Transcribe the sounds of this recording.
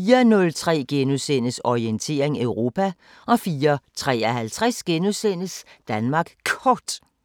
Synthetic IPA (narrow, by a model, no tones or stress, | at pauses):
fiːɐnɔ̽lt͡sʰʁɛ̰ːɡ̥enusen̰əsɒient͡sʰe̝̰ːɐe̝ŋøʊʁo̝ːpʰæ | ʔɒ̽fiːɐt͡sʰʁɛ̰ːɒɦælt͡sʰʁasɡ̥enusen̰əsd̥ænmɑ̈ːɡ̥kʰɒːd̥